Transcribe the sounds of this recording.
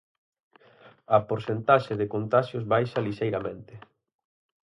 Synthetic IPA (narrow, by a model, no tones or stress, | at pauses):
ɐpoɾsent̪aʃeðɪkont̪aʃjʊzβajʃɐliʃejɾamẽnt̪ɪ